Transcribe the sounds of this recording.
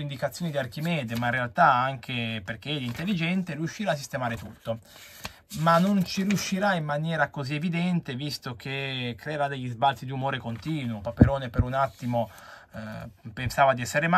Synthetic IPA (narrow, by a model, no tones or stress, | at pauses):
ind̪ikat̪sːjoːnid̪iark̟imɛːd̪emainrealt̪aaŋk̟eperk̟eɛlint̪elːid͡ʒɛnt̪eɾiuʃːiɾaːsːist̪emaːɾet̪ut̪ːo | manːont͡ʃiɾiuʃːiɾaimːanjɛːɾakozievid̪ɛnt̪evist̪ok̟ekɾeːɾad̪eʎːizbalt̪sid̪iumoːɾekont̪iːnwopapeɾoːnepeɾunat̪ːimo | pensaːvad̪iɛsːeɾema